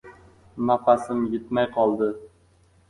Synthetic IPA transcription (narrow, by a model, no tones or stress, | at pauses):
nafasɪmjɪt̪majqʰɒlˠd̪ɪ